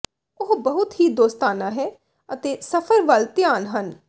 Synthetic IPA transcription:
ʊɦbəɦʊt̪ɦiːd̪oːst̪aːnãːɦɛː | ət̪eːsəpʰəɾʋəlt̪ɪjaːnɦən

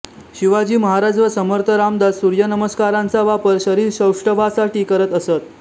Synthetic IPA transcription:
ɕiʋad͡ʑiːməɦaɾad͡zʋəsəməɾt̪ʰəɾamd̪asuɾjənəməskaɾãnt͡saʋapəɾɕəɾiːɾɕəwʂʈəʋasaʈiːkəɾət̪əsət̪

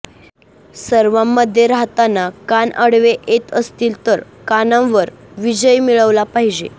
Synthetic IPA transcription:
səɾʋamːəd̪ʱjeɾaɦt̪anːakanəɽʋeʔet̪əst̪iːlt̪əɾ | kanãʋəɾ | ʋid͡ʑəjmiɭəʋlapaɦid͡ʑḛ

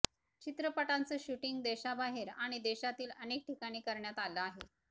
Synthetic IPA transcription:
t͡ɕit̪ɾəpəʈant͡səːɕuʈiŋɡd̪eɕabaɦeɾaɽ̃id̪ɛɕat̪iːlənek̚ʈʰikaɽ̃iːkəɾɳjat̪aləaɦe

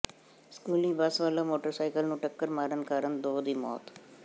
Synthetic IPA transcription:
skuːliːbasʋaːlomoːʈəɾsaːɪkəlnũːʈɐkːəɾmaːɾənkaːɾənd̪oːd̪iːmɔ̰ːt̪

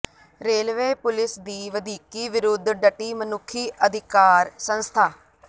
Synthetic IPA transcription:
ɾeːlʋeːpʊlɪsd̪iːʋəd̪iːkiːʋɪɾʊd̪ɖəʈiːmənʊkʰːiːʔəd̪ʱɪkaːɾsə̃nst̪ʰaː

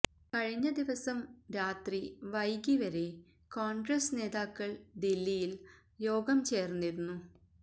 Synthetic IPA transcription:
kɐɻiɲːɐd̪iʋɐsɐmɾaːt̪riʋɐjɡiʋɐɾe | koːɳɡrɐsne̞ːd̪aːkːɐɭɖilːijil | jo̞ːɡɐmt͡ɕe̞ːrnːiɾunːu

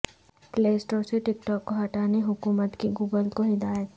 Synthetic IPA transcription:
pleːsʈoːɾseʈɪkʈɔːkːoɦɐʈaːneɦʊkuːmət̪kiɡuːɡəlkoɦɪd̪aːjət̪

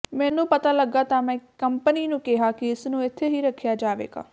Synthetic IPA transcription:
mɛ̃ːnũːpət̪aːləɡːaːt̪ãːmɛ̃ːkəmpəniːnũːkɪɦaːkɪɪsnũːɪt̪ʰːeːɦiːɾəkʰːjaːd͡ʒaːʋḛːɡa̰ː

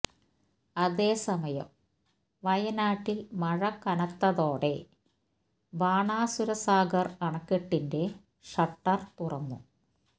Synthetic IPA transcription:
ɐðe̞ːsɐmɐjɐ̰m | ʋɐjɐnaːʈːilmɐɻɐkːɐnɐt̪ːɐðo̞ːɽe̞ | ʋaːɳaːsuɾɐsaːɡɐrɐɳɐkːeʈːinde̞ | ʂɐʈːɐrt̪urɐnːṵ

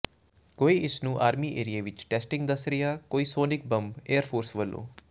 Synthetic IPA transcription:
koːiːʔɪsnũːʔaːɾmiːʔḛːɾijeːʋɪt͡ʃʈɛːsʈɪ̃ŋɡ̚d̪əsɾɪjaːkoːiːsoːnɪk̚bə̃mbeːəɾpʰoːɾsʋəlːʔõ̰ː

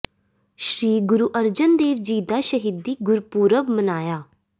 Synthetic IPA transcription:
ʃɾiːɡʊɾuːʔəɾd͡ʒənd̪eːʋd͡ʒiːd̪aːʃəɦiːd̪ːiːɡʊɾpuːɾəbmənaːjaː

